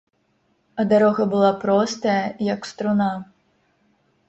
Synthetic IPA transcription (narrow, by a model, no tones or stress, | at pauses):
ɐd̪aɾɔɣɐbɨlˠapɾɔst̪ɐjɐjɐkst̪ɾuna